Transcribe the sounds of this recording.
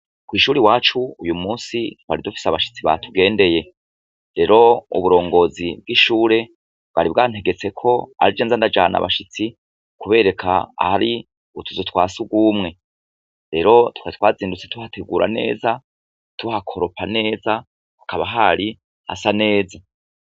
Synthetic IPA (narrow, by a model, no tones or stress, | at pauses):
kwiːʃuːɾiwaːt͡ʃuujumuːsiwaɾidufi̥saβaʃi̥t͡siβa̰tʰuɡe̞ːnde̞je̞ | ɾe̞ɾo̞ṵβuɾo̞ːŋɡo̞zib̚ɡiʃuːɾe̞ | bɡ̥a̰ɾib̚ɡaːn̥he̞ɡe̞t͡se̞kʰo̞a̰ɾid͡ʒeːnzandad͡ʒa̰ːna̰βa̰ʃit͡si | kuβe̞ːɾe̞kʰaa̰haɾi | utʰuzotʰwaːsuɡumŋe̞ | ɾe̞ɾo̞tu̥kat̪waːziːndut͡setuhatʰeɡuːɾʔa̰ne̞̰ːza | tuhakʰoɾo̞pʰane̞ːza | akʰaβaɦaɾi | ha̰sane̞ːza